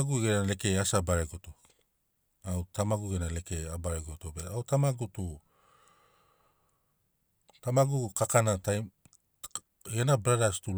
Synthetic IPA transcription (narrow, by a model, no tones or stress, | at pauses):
ɡuɡenale̞ke̞asabaɾeɡo̞to | awtʰamaɡuɡenale̞ke̞abaɾeɡo̞tobeawtamaɡutu | tamaɡukakanataj | ɡenabɾadastul